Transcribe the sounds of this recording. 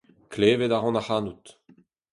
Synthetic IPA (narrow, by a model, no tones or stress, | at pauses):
kleːvedaʁɑ̃naχanut̪